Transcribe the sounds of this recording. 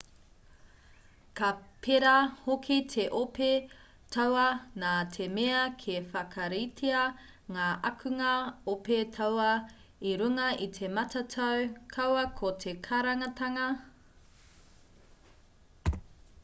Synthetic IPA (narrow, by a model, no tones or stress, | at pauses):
kɐpʰeɾɐhokʰitʰeʔope | tʰɐwɐnaːtʰemeɐkʰefɐkʰɐɾitʰiɐ | ŋaːʔɐkʰʉŋɐopetʰɐwɐ | iɾʉŋɐʔit̪ʰe̞mɐtʰɐtʰɐwkʰɐwɐkʰotʰekʰaɾɐŋɐtɐŋɐ